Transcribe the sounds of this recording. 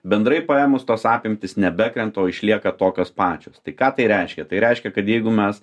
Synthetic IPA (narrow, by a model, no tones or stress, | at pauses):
bʲɛnd̪ɾɐɪpɐeːmʊst̪oːsɑːpʲɪmʲt̪ʲɪsnʲɛbʲækɾʲɛnt̪oːɪʃʲlʲiɛkɐt̪oːkʲoːspɑːt͡ʃʲoːst̪ɐɪkɑːt̪ɐɪɾʲɛɪʃʲkʲɛt̪ɐɪɾʲɛɪʃʲkʲɛkɐt̪jɛɪɡʊmʲɛs